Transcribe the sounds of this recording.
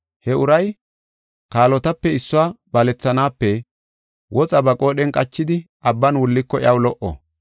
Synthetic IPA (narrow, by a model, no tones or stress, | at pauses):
hɛʊɾɐj | kaːlɔt̪ɐpːɛɪsːʊwaːbɐlɛt͡sːɐnaːpːɛ | wʔɔt͡sʼɐbɐkʼo̞ːɗɛnkʼɐt͡ʃːɪd̪ɪ | ɐbːɐnwʊlːɪkːɔɪɐwlɔʔɔ̰